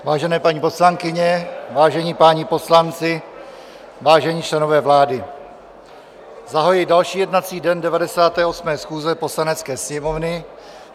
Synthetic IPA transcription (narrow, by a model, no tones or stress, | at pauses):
vaːʒɛnɛːpaɲiːpo̞slaŋkɪɲɛvaːʒɛɲiːpaːɲɪpo̞slant͡sɪ | vaːʒɛɲiːt͡ʃlɛno̞vɛːvlaːdɪ | zaɦojɪdalʃiːjɛdnat͡siːdɛndɛvadɛsaːt̪ɛːʔo̞smɛːsxuːzɛpo̞slanɛt͡skɛːsɲɛmo̞vnɪ